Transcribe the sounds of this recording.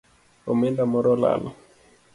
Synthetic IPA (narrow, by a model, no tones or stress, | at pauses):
omɛndamɔɾɔla̰lɔ